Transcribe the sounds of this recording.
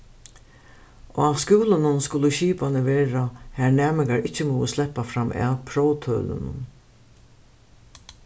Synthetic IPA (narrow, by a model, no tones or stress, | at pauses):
oaskʉːlʊnʊnskʊləɕiːpanəʋeːɾahæɹnæːmɪkaɾɪt͡ɕːəmɔːəslɛpːafɾamʔɛ̰pʰɾɔwt̪ʰœ̰ːlʊ̰nʊ̰n